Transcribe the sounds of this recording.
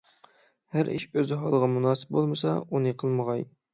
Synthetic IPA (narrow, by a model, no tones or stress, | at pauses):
hæɾʔiʃøzɦɑlˠəʁɑmunɑːsɨ̥p̚bolˠmɨsɑ̰unɨqʰəlˠməʁɑj